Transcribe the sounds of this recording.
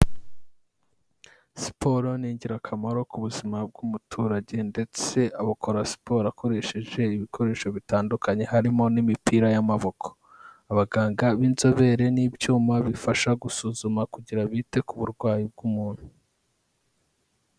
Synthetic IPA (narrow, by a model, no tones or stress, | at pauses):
si̥pʰo̞ɾo̞niːɲɟiɾakʰamaɾo̞kuβuzimab̚ɡumutʰuːɾaɟe̞nde̞t͡se̞ʔaβakʰoɾasi̥po̞ɾako̞ɾe̞ʃe̞ʒe̞iβikʰo̞ɾe̞ːʃo̞βitaːndukaɲe̞haɾimo̞nimipiːɾajamaβo̞kʰo̥ | aβaɡaːŋɡaβiːnzo̞βe̞ɾe̞niːbjuːmaβifaʃaɡusuːzumakuɟiɾaβite̞kuβuɾɡwaːjib̚ɡuːmuːn̥hu